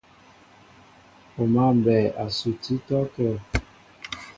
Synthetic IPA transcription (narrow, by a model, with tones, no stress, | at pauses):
o˨ma˦˨m˨bɛ˨a˨su˨ti˦tɔ˦kə˦˨